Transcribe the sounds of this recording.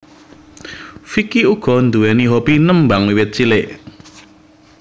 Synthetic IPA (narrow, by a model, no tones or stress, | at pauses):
fikiuɡ̥ɔ̤nd̪uwɛniɦobinəmbaŋwiwɪt̪̚t͡ʃilɪʔ